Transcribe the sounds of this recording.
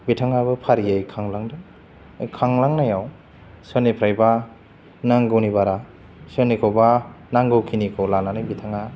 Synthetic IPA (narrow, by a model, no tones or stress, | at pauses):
bitʰaŋabɯpʰaɾiajkʰaŋlaŋdɯ | ajkʰaŋlaŋnajaw | sɯnipʰɾajba | naŋɡɯwnibaɾa | sɯnikʰowbanaŋɡɯwkʰinikʰowlananɯjbitʰaŋa